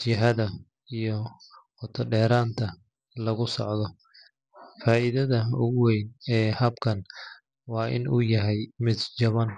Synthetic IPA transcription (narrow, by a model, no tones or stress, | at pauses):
t͡ʃɪɦɐðɐ | ijɔqɔt̪ʰɐɖɛːɾaːnt̪ʰɐ | lɐɣʊsɔ̰ʕðɔ | faːʔɪðɐðɐʊɣwɛjnɛːhɐbkʰɐn | wɑːʔɪ̰nʔuːjɐɦɛjmɪd̪t͡ʃɐβɐn